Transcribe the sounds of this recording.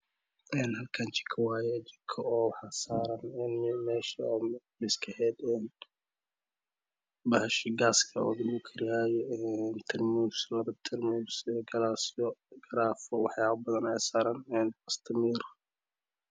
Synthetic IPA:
ʔɛːnhɐlkʰɐnt͡ʃɪ̥kʰɐwaːjɛt͡ʃɪkʰɐɔːwħasaːɾɐnɛːnmɛːʃɐmɪskʰɐhɛːd̪ɛːn | bɐhɐʃɪɡaːskʰɐɔ̰ːd̪ɪmukʰɐɾɪjaːjɛɛnt̪ʰɪrmuslɐbɐt̪ʰɛɾmusɛɡɐlasɪɔɡɐɾaːfɔwɑħjaːβɐbɐðɐnɛjsaːɾɐnɛːnɐst̪ʰɐmiːɾ

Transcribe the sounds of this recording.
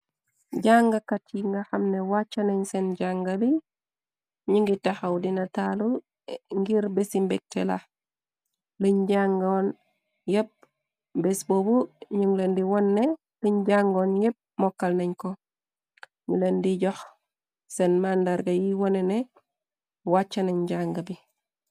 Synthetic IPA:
ɟaŋɡakatiŋɡaxamnewat͡ʃːaneɲsenɟaŋɡali | ɲiŋɡitaxawdinatalu | ŋɡiɾbesimbek̚tela̰ | liɲɟaŋɡon | jep̚ | besbobuɲiŋlendiwonːe | liɲɟaŋɡonjep̚mokːalneɲko | ɲulendiɟox | senmandaɾɡajiwonene | wat͡ʃːaneɲɟaŋɡabi

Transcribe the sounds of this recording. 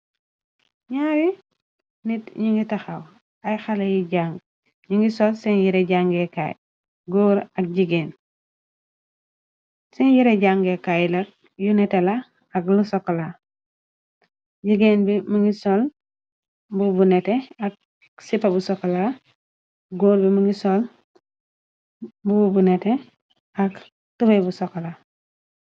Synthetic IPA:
ɲaːɾi | nitɲiŋɡitɐxaw | ɐjxɐlɐjiɟaŋɡ | ɲiŋɡisɔlsɛnjiɾɛɟaŋɡɛka̰j | ɡuɾɐk̚ɟiɡeːn | sɛnjiɾɛɟaŋɡɛkajlɐk̚ | junɛtɛlɐː | klusɔkːla | ɟiɡeːnbimuŋɡisɔl | bubuneteak̚ | sipabusɔkːla | ɡoːɾbimuŋɡisɔl | bubunete | ak | tubebusɔkla

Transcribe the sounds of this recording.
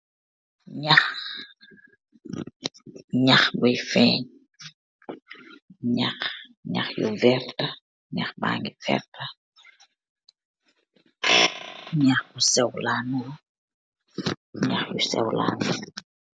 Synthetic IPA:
ɲax | ɲaxbɔjfɛɲ | ɲaxɲa̰xjṵvɛɾta | ɲaxba̰ːŋɡivɛ̰ɾta | ɲaxbusɛwlanu | ɲaxjusɛ̰wla̰nu

